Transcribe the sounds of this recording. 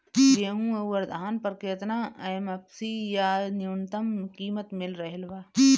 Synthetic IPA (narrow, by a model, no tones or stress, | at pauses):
jeːɦũɐʋəɾd̪ʱaːnpəɾkeːt̪naɐjmɐpsijanjunt̪əmkiːmət̪mɪlɾɐɦelʋaː